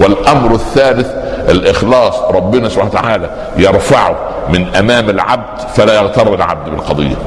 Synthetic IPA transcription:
wɪlʔɑmɾɪθːæːlɪθʔɪlʔɪxlɑːsˤɾˤɑbːɪnæsʊba̰nt̪a̰ʕaːlæ | jɑɾˤfaʕʊ | mɪnʔæmæːmɪlʕa̰b̚d̪fælæːjɑɣt̪ɑɾˤːɪlʕa̰b̚d̪bɪlqɑd̪ˤɨ̰jːæ̰

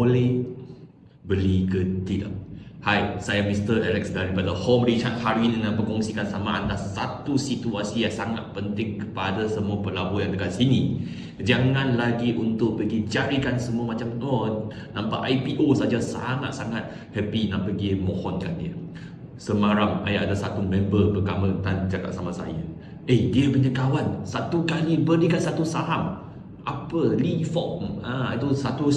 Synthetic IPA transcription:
olɛh | bəlikət̪ila̰hajsajamist̪əɛlɛksdaɾipadəhɔmrit͡ʃa̰t̪̚haɾinnaʔpəkɔŋsikansamaa̰ndasat̪usit̪uasijaʔsaŋat̪̚pənt̪ɪŋkəpadasəmuapəlabujaŋt̪əɡansini | d͡ʒaŋãnlaɡiʔunt̪ʊʔ̚pəɡid͡ʒaɾikansəmuamat͡ʃamɔ | nãmpaʔajpiʔosad͡ʒasa̰ŋa̰t̪̚saŋat̪̚ | həpinaʔpəɡimɔhɔnka̰ndiə | səmaɾama̰jaʔadasat̪umɛ̃mbəpət̪amət̪and͡ʒaka̰ʔsamasa̰ja̰ | ehdiəpəɲakawansat̪ukalibədikat̪̚sat̪usaɦam | ʔapəlifɔmait̪usat̪u

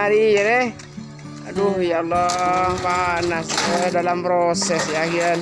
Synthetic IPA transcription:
aɾinɛh | duhjalːɔpanasədalampɾosɛsjakiən

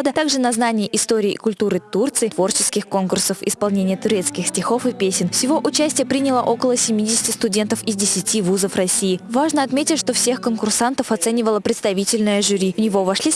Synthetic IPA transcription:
od̪ət̪aɡʐɨnɐznanʲɪjɪʔɪst̪oɾʲɪːʔɪ̰kʊlʲt̪uɾɨt̪urt̪sɨɪt̪vo̞rt͡ɕɪskʲɪxko̞nkʊrsəfɪ̰spɐlˠnʲenʲɪjət̪ʊɾʲe̞t̪skʲɪxsʲtʲɪxo̞fɨpʲesʲɪnfsʲɪvo̞ʔʊt͡ɕæsʲtʲɪjəpɾʲinʲɪlˠəʔo̞kəlˠəsʲɪmʲidʲɪsʲɪ̥tʲɪst̪ʊdʲe̞nt̪əfɪzʲdʲɪsʲɪtʲivuzəfrɐsʲːijːvaʐnəɐt̪mʲetʲɪtʲʂt̪o̞fsʲe̞xkənkʊrsant̪əfɐt̪sɛnʲɪvəlˠəpɾʲɪt̪st̪ɐvʲitʲɪlʲnɨjəʐʊɾʲivnʲɪvo̞vɐʂlʲi

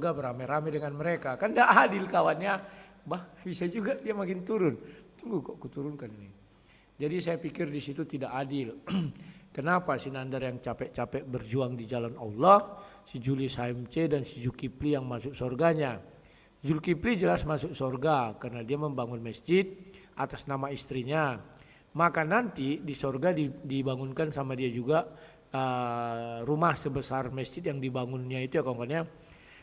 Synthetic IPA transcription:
sɔrɡabəɾamɛɾamɛdəŋanməɾekakandaʔadɪlkawanɲabahbisad͡ʒuɡadiamakɪnt̪uɾʊnt̪uŋɡukɔʔkut̪uɾʊnkanini | d͡ʒadisajapikɪrdisit̪ut̪idaʔadɪl | kənapasinandarjaŋt͡ʃapɛʔt͡ʃapɛʔ̚bərd͡ʒuaŋdid͡ʒalana̰lːɔhsəd͡ʒulisaimt͡ʃedansid͡ʒukiplijaŋmasʊk̚sɔrɡaɲa | d͡ʒulkiplid͡ʒəlasmasʊk̚sorɡakarənadiaməmbaŋʊnməsd͡ʒɪt̪̚ʔat̪asnamaist̪ɾiɲa | makanant̪idisorɡadidibaŋunkansamadiad͡ʒuɡaʔ | ə | rumahsəbəsarməsd͡ʒɪt̪̚jaŋdibaŋʊnɲait̪ujakɔŋkɔnɲa

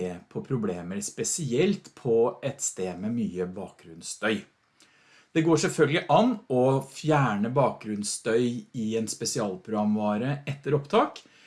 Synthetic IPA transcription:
eːpʰɔpʰɾʊbleːməɾspɛsɪɛlt̪pʰɔɛt̪st̪eːd̪mɛmyːəbɑːk̚ɡɾʉnst̪ʰœʏ | d̪̥ɛɡoːʂɛlfœlɡəlɪʔɑnːɔfjæːɳəbɑːk̚ɡɾʉnst̪œʏɪɛnspɛsɪɑːlpʰɾʊɡɑmʋɑːɾəɛt̪ːəɾɔpt̪ʰɑːk

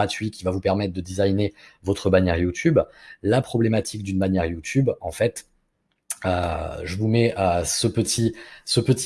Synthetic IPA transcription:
at̪ɥikʲivavupɛʁmɛt̪̚χd̪əd̪izajnevɔt̪χəbanjɛʁjut̪ʰyblapχɔblemat̪ʰik̚d̪ynbanjɛʁjut̪ybɑ̃fɛt̪ | øʒəvumɛøsəpət̪ʰisəpət̪

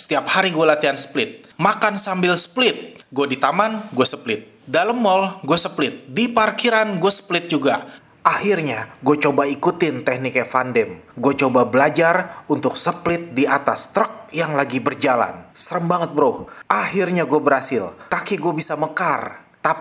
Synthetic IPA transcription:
sə̥t̪iap̚haɾiɡualat̪iansə̥plɪt̪̚ | makansambɪlsə̥plɪt̪̚ɡuadit̪amanɡuasəplɪt̪̚ | daləmːɔlɡuasəplɪt̪̚diparkiɾanɡuasə̥plɪt̪̚d͡ʒuɡa | ʔahirɲaɡuat͡ʃobaikut̪ɪnt̪ɛhnɪkafandɛmɡuat͡ʃobabəlad͡ʒarunt̪ʊk̚səplɪt̪̚diat̪ast̪ɾək̚jaŋlaɡibərd͡ʒala̰nsəɾəmbaŋət̪̚bəɾohʔahirɲaɡuabəɾhasɪlkakiɡuabisaməkart̪ap

